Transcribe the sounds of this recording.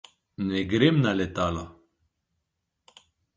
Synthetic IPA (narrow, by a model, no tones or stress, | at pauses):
neɡɾemnalet̪ala